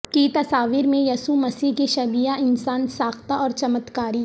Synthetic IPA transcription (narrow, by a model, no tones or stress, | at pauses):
kit̪ɐsaːʋiːɾmẽjɐsumɐsiːɦkiʃɐbiːjaʔɪnsaːnsaːxt̪aɔːɾt͡ʃɐmət̪kaːɾiː